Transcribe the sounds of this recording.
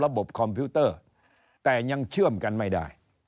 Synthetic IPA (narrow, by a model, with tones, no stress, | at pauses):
la˦ɓo˨˩p̚kʰɔ˧˩mpju˧˦t̪əː˧˩ | t̪aː˨˩ɲa˧ŋt͡ɕɨ˧˨mka˧nma˧jɗa̰ː˨˧˩j